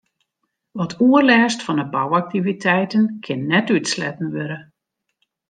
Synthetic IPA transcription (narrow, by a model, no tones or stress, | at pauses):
ʋɔtʰuərlɛːstfɔnəbawak̚tivitʰɛjtənkʰɪnːɛtytslɛtn̩ʋøɾə